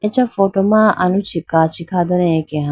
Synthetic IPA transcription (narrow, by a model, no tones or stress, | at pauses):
et͡ʃɐfoːʈomaːʔɐnut͡ʃʰikːaːt͡ʃikʰaːd̪oneekeɦã